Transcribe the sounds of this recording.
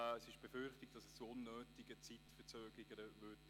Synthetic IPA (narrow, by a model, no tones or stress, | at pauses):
ɛsɪʃb̥efʏχtɪk̚d̥ɑsɛst͡soʊnːøːtɪɡ̥ət͡sitfət͡søːɡliɡəvʏt